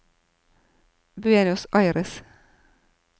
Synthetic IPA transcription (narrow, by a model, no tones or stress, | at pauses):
bʉeːnɪʊsʔɑɪɾɪs